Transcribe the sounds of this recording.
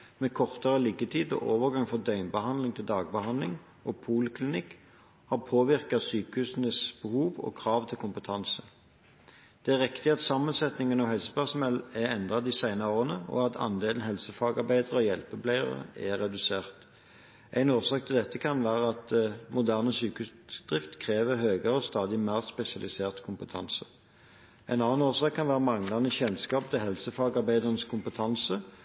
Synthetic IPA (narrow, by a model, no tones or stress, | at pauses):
mɛkʰɔʁt̪əʁəlɪɡət̪ʰiːd̪ɔ̰ʔoːʋəʁɡɑŋfɔʁd̪œʏmbəhɑnd̪lɪŋt̪ʰɪld̪ɑːɡ̚bəhɑnd̪lɪŋ | ʔɔpʰuːlkʰlɪnɪkː | hɑpʰoːʋɪʁkɑsyːkəhʉːsnəsb̥əhuːʋɔ̰kʰʁɑːʋt̪ʰɪlkʰʊmpət̪ʰɑnsə | d̪̥ɛæʁɪkt̪ɪɑt̪sɑmːənsɛt̪nɪŋənɑhɛlsə̥pʰæʁsmɛlæʁɛnd̪ʁɑd̪ɪsæɪnɑoːʁənəɔ̰ɑt̪ʰɑ̰nd̪eːlən̩hɛlsəfɑːɡɑʁbæɪd̪əʁəɔjɛlpəbʰlæɪə̰ʁə̰æɾɛd̪ʉseːʁt̪ | ʔæɪnoːʁsɑːk̚t̪ʰɪld̪ɛt̪ːəkʰɑnʋæːʁəɑt̪mʊd̪æːʁnəsyːkʉsd̪̥ʁɪft̪kʰʁeːʋəhøːɡəʁəɔst̪ɑːd̪ɪmæːʁspɛsɪɑlɪseːʁt̪kʰʊmpət̪ʰɑ̰nsə | æɪnɑnːɑnoːʁsɑːkʰːɑnʋæːʁəmɑŋlɑnəçɛnskɑːp̚t̪ʰɪhɛlsəfɑːɡɑʁbæɪd̪əʁənəskʰʊmpət̪ʰɑnsə